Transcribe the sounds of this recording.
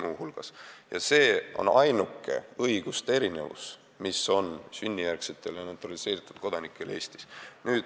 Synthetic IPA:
muːhulɡ̥ɑ̰sjɑ̰se̞ːʔo̰nɑjnukːˑe̞̰ɤjɡ̥ust̪ee̞ɾine̞̰vṵs | miso̞nsynʲːijærkset̪ːˑe̞ljɑnet̪ːˑɑlise̞ːɾit̪ːˑud̪̥̚ko̞d̪ɑnikːˑe̞le̞ːst̪i̥snyːd̪̥

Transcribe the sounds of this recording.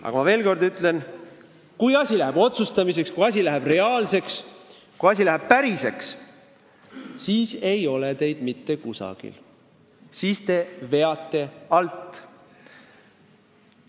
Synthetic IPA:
ʔɑ̰ɡɑmɑve̞ːlko̞rd̪yt̪ˑle̞n | kujɑsʲilæɦeb̥o̞t̪sust̪ɑmis̬e̞kskujɑs̬ʲilæɦeb̥re̞ɑːlse̞ks | kujɑsʲilæɦeb̥̚pæɾise̞ks | siːse̞jo̞let̪e̞jd̪mit̪ːe̞kusɑ̰ɡ̥ḭl | siːst̪e̞ve̞ɑt̪ːe̞ɑlt̪ːˑ

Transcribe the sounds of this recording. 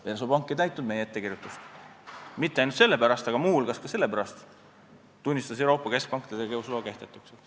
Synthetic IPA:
elsopɑŋkˑːet̪æjt̪ːˑnud̪̚me̞jeet̪ːe̞kiɾjut̪ːˑust̪ | mit̪ːeɑjnult̪se̞lːe̞pæɾɑst̪ɑɡ̥ɑmuːlɡ̥ɑskɑse̞lːe̞pæɾɑst̪ | t̪ːunʲːist̪ɑs̬ewɾo̞ːpːˑɑke̞sk̚pɑŋkt̪ed̪ekeuslo̞ːke̞ht̪e̞t̪ːˑukse

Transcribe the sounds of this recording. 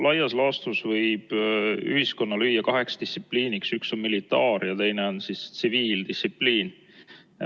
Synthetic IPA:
lɑjɑslɑːst̪usvɤjb̥y̰hisko̞nːɑlyjːɑkɑɦe̞kst̪ist̪ːsipːliːniksykso̞nmilit̪ːˑɑːɾjɑt̪e̞jneo̞nsist̪siviːld̪̥isipːˑliːn

